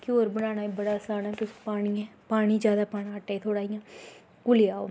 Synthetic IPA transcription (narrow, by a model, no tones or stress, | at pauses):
koːɾbənaːnaːebəɽaːsaːnaːt̪ʊspaːɽ̃iɛːpaːɽ̃iːd͡ʒjaːd̪aːpaːɽãːəʈːaːiːt̪ʰoːɽaːijãː | kʊlɪaːo̰ː